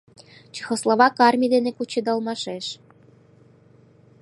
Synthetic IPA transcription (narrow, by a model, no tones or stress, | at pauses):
t͡ɕi̥xŏslˠoβɑkɑrmʲid̪enekut͡ɕĕd̪ɑlmɑʃeʃ